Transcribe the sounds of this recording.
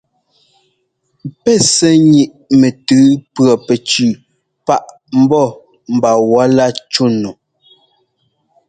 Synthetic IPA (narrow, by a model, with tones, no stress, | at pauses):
pɛ˦˨sɛ˦ɲi˨ʔ | mɛ˨tʉ˨˦pɰɔ˨pɛ˨t͡ʃʉ˨ | pa˦ʔ | m̩˦bɔ˦˨ | m̩˨ba˨wa˨˦la˦˨t͡ʃu˦˨nɔ˨